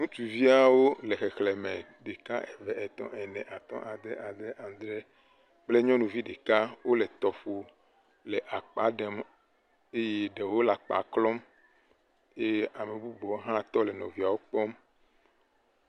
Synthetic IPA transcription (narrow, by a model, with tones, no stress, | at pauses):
nũ˦t͡ʃ̪u˨vi˦a˨wo˦lɛ˨xɛ˨xlɛ˨mɛ̃˨ | ɖe˨ka̰˦ʔɛ˨vɛ˨ʔɛ˨t̪ɔ̰̃˦ʔɛ˨nɛ̃˨ʔa˨t̪ɔ̰̃˦ʔa˨d̪ɛ˦ʔa˨d̪ɛ˦ʔã˨d̪ɾɛ˦ | k͡ple˦ɲɔ̃˦nũ˨vi˦ɖe˨ka˦wo˦lɛ˨t̪ɔ˨fo˨ | lɛ˨ʔa˨k͡pa˨˦ɖɛ˨m | e˦je˦ɖe˨wo˦la˨k͡pa̰˨klɔ˦m | e˦a˨me˨bu˦bɔ˨˦ɦã˦t̪ɔ˦lɛ˨nɔ̰̃˨vi˨˦a˨wo˦k͡pɔ˦m